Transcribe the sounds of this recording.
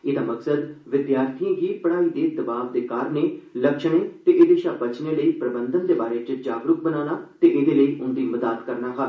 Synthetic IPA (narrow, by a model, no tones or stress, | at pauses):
ɪd̪aːməksəd̪ʋɪd̪jaːɾt̪ʰiãːɦiːpəɽaːiːd̪eːd̪əbaːʋd̪eːkaːɾneːləkʃɽ̃ẽːt̪eːʔeːd̪eːʃaːbət͡ʃneːləiːpɾəbənd̪ənd̪eːbaːɾeːt͡ʃɪtd͡ʒaːɡɾʊk̚bənaːnaːt̪eːʔɪd̪eːləiːʔʊnd̪iːməd̪aːt̪kəɾnaːɦaː